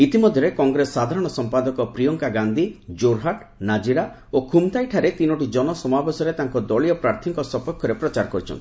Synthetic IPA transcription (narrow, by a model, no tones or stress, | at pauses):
it̪imɔd̪ʱjɔɾekɔŋɡɾesːad̪ʱaɾɔɽ̃ɔsɔmpad̪ɔkɔpɾijɔŋkaɡand̪ʱid͡ʒoɾɦaʈ | nad͡ʒiɾa | okʰumt̪ajʈʰaɾet̪inɔʈ̬id͡ʒɔnɔsɔmabesɔɾet̪aŋkɔd̪ɔɭiɔpɾaɾt̪ʰiŋkɔsɔpɔkʰːɔɾepɾɔt͡ʃaɾɔkɔɾit͡ʃʰɔ̰nt̪ʰi